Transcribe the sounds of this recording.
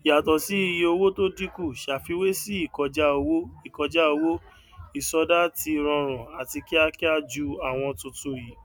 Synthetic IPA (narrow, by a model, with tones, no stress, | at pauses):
i˨a˨tɔ˨si˨˦i˧je˧o˧wo˦to˦di˦ku˦˨ʃa˨fi˧we˦si˦i˦˨kɔ˧d͡ʒa˦o˧wo˦i˨kɔ˧d͡ʒa˦o˧wo˦ | i˦˨sɔ˧da˦ti˧ɾ̃ɔ̃˧ɾ̃ɔ̃˨a˨ti˧ki˦a˧ki˦a˦d͡ʒu˧a˨w̃ɔ̃˧tũ˧tũ˧ji˨˦